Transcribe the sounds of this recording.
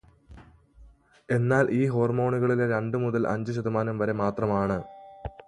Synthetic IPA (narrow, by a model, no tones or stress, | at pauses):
e̞nːaːlʔiːɦo̞ːrmo̞ːɳuɣɐɭileɾeɳɖɨmuðɐlʔɐ̰ɲd͡ʑuɕ̬ɐd̪ɐmaːnɐmʋɐɾemaːt̪rɐmaːɳɨ